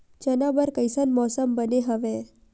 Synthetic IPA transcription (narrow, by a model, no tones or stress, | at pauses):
d͡ʒənabəɾkəjsənmɔsəmbəneɦəʋe